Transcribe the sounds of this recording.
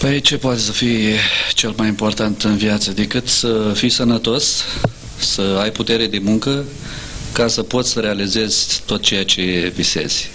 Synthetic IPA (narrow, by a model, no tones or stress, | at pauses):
pəjjt͡ʃe̞poat̪e̞səfijt͡ʃe̞lmajimpo̞rt̪ant̪ɨnvjat̪səd̪ekɨt̪səfijsənət̪o̞s | səajput̪e̞ɾe̞d̪e̞muŋkə | kasəpo̞t̪sʲsəɾe̞alize̞zʲt̪o̞t̪̚t͡ʃe̞jat͡ʃe̞vise̞̰z̥ʲ